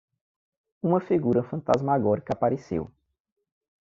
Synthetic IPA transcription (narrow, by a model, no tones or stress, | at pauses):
ũmɐfiɡuɾɐfɐ̃nt̪azmaɡɔɾikapaɾesḛw